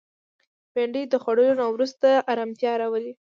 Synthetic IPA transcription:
beɳɖəd̪əxwaɽəlonawɾust̪aʔːɾamt̪jɑɾawəli

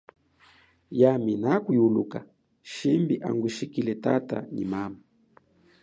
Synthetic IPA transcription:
jaminakujuluka | ʃimbiʔaŋɡwiʃikilɛtata̰ɲḭmama

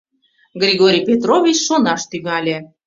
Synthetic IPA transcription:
ɡrʲiɣoɾʲijpʲet̪rovʲit͡ɕʃonɑʃt̪yŋɑlʲe

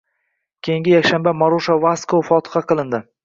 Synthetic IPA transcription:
kʲʰejɪ̃ŋʲɪjakʲʃambamaɾoʃavaskofɒt̪ʰɨ̥χɑqɨlˠɪnd̪ɪ

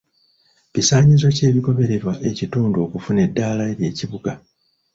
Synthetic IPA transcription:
cisaːɲizo̞ce̞ːβiko̞βe̞ɾe̞ɾwaʔe̞cituːnduo̞kufune̞dːaːlaeɾje̞ːciβuɡa

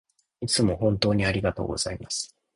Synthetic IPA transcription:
it͡sɨmo̞hõ̞nt̪o̞ːɲ̟iaɾʲiɡat̪oːɡo̞̰z̥aimasɨ̥

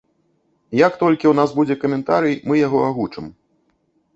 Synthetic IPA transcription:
jakt̪ɔlʲkʲiunasbud͡zʲɛkɐmʲɛnt̪aɾɨjmɨjaɣɔaɣut͡ʂɨm

